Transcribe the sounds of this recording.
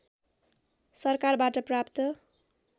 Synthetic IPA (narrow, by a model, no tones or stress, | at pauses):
sʌrkarbaʈʌprapt̪ʌ